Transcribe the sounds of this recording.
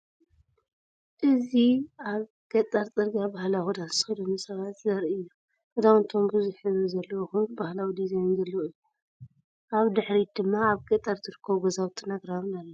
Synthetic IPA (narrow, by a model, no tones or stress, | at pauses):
ʔɨziaβ | ɡ̥ɐt̪ʼɐɾt͡sʼɨɾɡabahlawud̪ansɨxɨlonɨsɐβat̪zɐɾiɨjːo | ʔɨd̪awɨnt̪ʰomɡuzɨħɨzɨzɐlːɐwxɨbahlawid̪izejnzɐlːɐwɨjːu | ʔaβd̪ɨħɾid̪̥ɨmːaːβɡʼɐt̪ʼːɐɾzɨɾɨkʰːɐβɡɐzawt̪ʰɨnaɡɾaβnalːɐ